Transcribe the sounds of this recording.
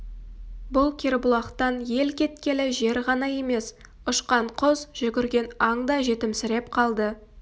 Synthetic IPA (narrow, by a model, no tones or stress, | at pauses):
bʊlˠkʲʰeɾbʊlˠɑqt̪ɑnje̞lkʲe̞t̪kʲe̞lɪʒe̞ɾʁɑnɑje̞me̞s | ʊʃqɑɴqʰʊzʒ̥ʏɡʲɪɾɡʲe̞nɑŋd̪ɑʒe̞t̪ɪmsɪɾe̞pqʰɑlˠd̪ə